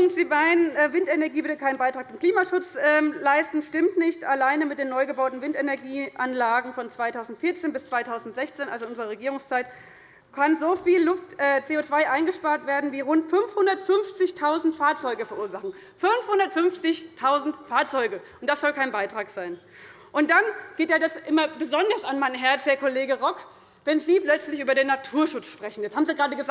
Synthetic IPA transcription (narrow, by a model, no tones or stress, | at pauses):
ʊŋzibaɪnɛvɪntenɛɐɡiːvʏɐdəkʰaɪnbaɪtʁ̥aːk̚d̥eːnkl̥iːmaʃʊt͡sʔɛːlaɪstn̩ʃtɪmtnɪçtalaɪnəmɪtd̥eːnɔʏɡəbaʊtn̩vɪntenɛɐɡiːʔanlaːɡŋ̩fɔnt͡sv̥aɪtʰaʊzn̩tfɪɐt͡seːnbɪst͡sv̥aɪtʰaʊzn̩tz̥ɛçt͡seːnʔa̰lzonʊnzəʁəʁeɡiːʁʊŋst͡saɪt | kʰanzoːfiːlːʊftʔɛːt͡seːoːt͡sv̥aɪʔaɪnɡəʃpaːɐtv̥eːɐdn̩viːʁʊntfʏnfhʊndɐtfʏnft͡sɪçtʰaʊzn̩tfaːɐt͡sɔʏɡəfɛɐʔuːɐzaχn̩ | fʏnfhʊndɐtfʏnft͡sɪçtʰaʊzn̩tfaːɐt͡sɔʏɡəʔʊntd̥asz̥ɔlkʰaɪnbaɪtʁ̥aːkz̥aɪn | ʔʊnt̚d̥anɡ̥eːtjaːdasʔɪmɐbəzɔndɐsanmanɦɛɐtfɛːɐkʰoleːɡəʁɔk | vɛnziːplœt͡slɪçʔyːbɐdeːnːatʰuːɐʃʊt͡sʃpʁ̥ɛçn̩jɛt͡shaːbmziːɡəʁaːdəɡəza